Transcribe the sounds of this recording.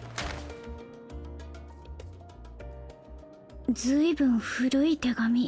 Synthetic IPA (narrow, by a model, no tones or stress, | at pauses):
d͡zɨibɯ̟̃ɰ̃ɸɯɾɯ̟it̪e̞ɡamʲi